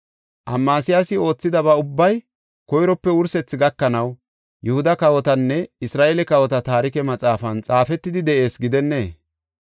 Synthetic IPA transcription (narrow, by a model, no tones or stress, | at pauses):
ʔɐ̰mːaːsɪjasɪo̞ːt͡sːɪd̪ɐbɐʊbːɐj | kɔjɾɔpːɛwʊɾsɛt͡sːɪɡɐkːɐnɐw | jʊhʊd̪ɐkɐwɔt̪ɐnːɛɪsɾaːʔelɛkɐwɔt̪ɐt̪aːɾɪkɛmɐt͡sʼaːfɐnt͡sʼaːfɛt̪ːɪd̪ɪd̪ɛʔe̞ːsɡɪd̪ɛnːe̞ː